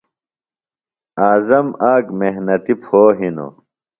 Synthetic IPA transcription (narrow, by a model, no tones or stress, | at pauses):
aːzɐmaːkmeɦnɐt̪ipʰoːɦino̰